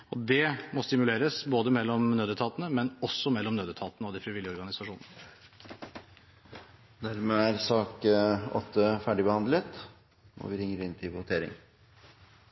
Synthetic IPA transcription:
ɔd̪ɛmɔst̪ɪmʉleːɾəsboːd̪əmɛlːɔmnøːd̪ət̪ʰɑːt̪ənəmɛnɔsːɔmɛlːɔmnøːd̪ət̪ʰɑːt̪ənəɔd̪ɪfɾɪʋɪljəɔɾɡɑnɪsɑʂuːnənə | næɾmɛæɾsɑːkɔ̰t̪ʰːəfæɖɪbəhɑnd̪lət̪ | ɔ̰ʋɪɾɪŋːəɾɪnt̪ʰɪʋʊt̪ʰeːɾɪ̰ŋ

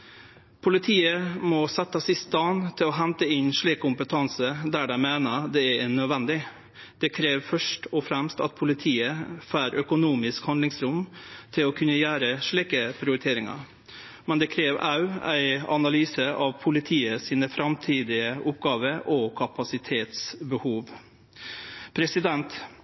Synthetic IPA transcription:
pʰʊlɪt̪ʰiːəmɔsɛt̪ːəsɪst̪ɑnt̪ʰɪlɔɦɛnt̪əɪnʂɭiːkkʰʊmpət̪ʰɑnsəd̪æːɖæɪmeːnəɾd̪ɛɛɛnœd̪ʋɛnd̪ɪ | d̪̥ɛkʰɾeːʋfœʂʈɔfɾɛmst̪ɑ̰t̪̚pʰʊlɪt̪ʰiːəfæːɾʔœkʊnuːmɪskhɑnd̪lɪŋsɾʊmt̪ʰɪlɔkʰʉnːəjæːɾəʂɭiːkəpʰɾɪʊɾɪt̪ʰeːɾɪŋɑ̰ɾ | mɛnd̪ɛkʰɾeːʋɑ̰ʉæ̰ɪɑ̰nɑlyːsəʔɑʋpʰʊlɪt̪ʰiːəsiːnəfɾɑmt̪ʰiːd̪ɪəʔʊpɡɑːʋəɾʔɔkʰɑpɑsɪt̪ʰeːt̪sbəhuːʋ | pʰɾɛsɪd̪ɛnt̪

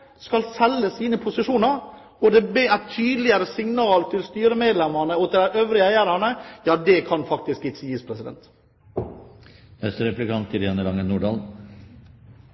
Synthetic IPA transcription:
skɑlsɛlːəsiːnəpʰʊsɪʂuːnɑɾ | ɔd̪ɛbeːæt̪ʰːyːd̪lɪəɾəsɪŋnɑːlt̪ʰɪlst̪yːɾəmeːd̪lɛmɑnəɔt̪ʰɪd̪æʔøːʋɾɪəæɪæɾɑnəjɑːd̪ɛkʰɑnfɑk̚t̪ɪskɪjiːspʰɾɛsɪd̪ɛ̰nt̪ | hɛst̪əɾɛplɪkɑnt̪ɪɾeːnəlɑŋənuːɖɑːl

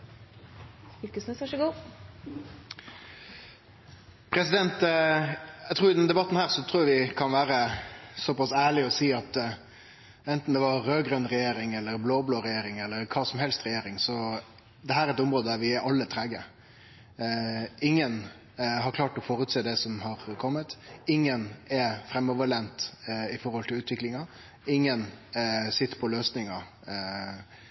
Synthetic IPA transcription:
ɪlkəsmɛsæʂəɡuː | pʰɾɛsɪd̪ɛnt̪ | æɪt̪ʰɾuːɾɪd̪ɛnd̪ɛbɑt̪ːn̩hæːɾsɔt̪ʰɾuːjɑʋɪkʰɑnʋæːɾəsɔpɑsæːɭɪɔsiːɑt̪ | ɛnt̪n̩d̪ɛʋɑːøːɡɾœnɾɛjeːɾɪŋɛlːəɾbloːbloːɾɛjeːɾɪŋɛlːəɾkʰɑːsɔmhɛlst̪ɾɛjeːɾɪŋsɔ | d̪ɛɦæːɾɛɾɛt̪ɔmɾoːd̪əd̪æɾʋɪʔɑlːət̪ʰɾɛɡə | ɪŋːən | ɦɑɾkʰlɑːʈɔfoːɾʉːt̪seːd̪ɛsɔmhɑɾkʰɔmːət̪ɪŋːənɛfɾɛmːɔʋəɭɛnt̪ɪfɔɾhɔlt̪ʰɪlʉːt̪ʋɪklɪŋɑ | ɪŋːənsɪt̪ːə̥pʰɔløːsnɪŋɑ

